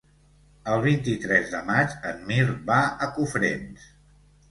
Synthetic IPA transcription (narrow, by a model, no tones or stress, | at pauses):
əlˠβ̞int̪it̪ɾɛzðəmat͡ʃənmiɾβaəkufɾḛns